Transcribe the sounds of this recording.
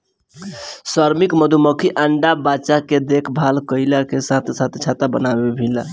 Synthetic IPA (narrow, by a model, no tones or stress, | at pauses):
səɾmikməd̪ʱuməkʰiʔəɳɖabat͡ʃaked̪ekʰbʱalkəɪlakesãt̪ʰsãt̪ʰt͡ʃʰat̪abənabebʱila